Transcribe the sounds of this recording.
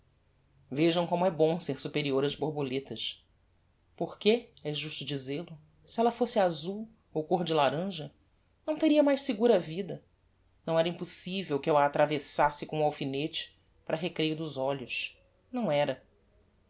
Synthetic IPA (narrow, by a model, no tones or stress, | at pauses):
veʒɐ̃w̃kõmʊɛbõseɾsupeɾioɾɐzboɾbolet̪ɐʃ | poχkeɛʒuʃt̪ʊd͡ʒizelʊ | siɛlɐfosɪazuw | owkoɦd͡ʒɪlaɾɐ̃ʒɐ | nɐ̃w̃t̪eɾiɐmajʃsɪɡuɾɐvid̪ɐ | nɐ̃w̃ɛɾɐĩposivewkɪɛlɐːt̪ɾavesasɪkõʊawfinet͡ʃɪ̥ | paɾʔɐɦekɾejʊd̪ʊzɔʎʊs | nɐ̃w̃ɛɾɐ